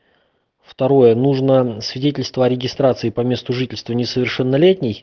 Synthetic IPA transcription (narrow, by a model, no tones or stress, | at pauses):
ft̪ɐɾo̞jənuʐnəsvʲɪdʲetʲɪlʲst̪vəɐɾʲɪɡʲɪst̪ɾat̪sɨɪpɐmʲe̞st̪ʊʐɨtʲɪlʲst̪vənʲɪsəvʲɪrʂɛnːɐlʲetʲnʲɪj